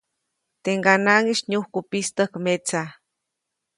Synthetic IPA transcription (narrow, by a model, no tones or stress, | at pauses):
t̪eŋɡanaŋiʃɲuhkupist̪əhkmet͡sa